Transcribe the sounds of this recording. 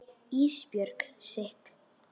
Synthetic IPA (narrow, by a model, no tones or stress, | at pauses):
iːspjœɾkseht̪